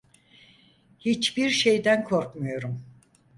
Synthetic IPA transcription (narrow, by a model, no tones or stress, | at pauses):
hit͡ʃbiɾʃe̞jd̪ænkʰo̞ɾkmujo̞ɾum